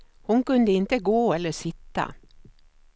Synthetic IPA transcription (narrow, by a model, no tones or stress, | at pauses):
hʊŋkʉnd̪əɪnt̪əɡoːɛləsɪt̪ɑ̰